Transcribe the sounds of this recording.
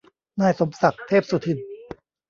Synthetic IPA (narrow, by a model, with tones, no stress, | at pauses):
naː˧˩jso˩˦msa˨˩k̚t̪ʰeː˥˩p̚su˨˩t̪ʰɯ˨˩n